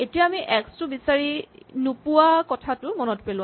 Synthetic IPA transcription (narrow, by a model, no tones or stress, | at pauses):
etijaːmiʔɛkstʊbisaɹinupuakɔtʰatʊmɔnɔtpelʊ̃